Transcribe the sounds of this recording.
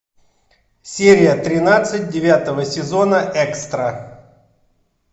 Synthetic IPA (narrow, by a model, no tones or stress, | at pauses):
sʲeɾʲɪjət̪ɾʲɪnat̪sɨt̚ʲdʲɪvʲat̪əvəsʲɪzo̞nəʔɛkst̪ɾə